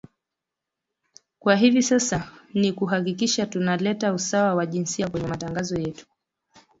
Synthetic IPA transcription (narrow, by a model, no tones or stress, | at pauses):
kwaɦivisasanikuɦak̬ikiʃatunalɛtausawawaʄinsiakwɛɲɛmataŋɡazɔjɛtu̥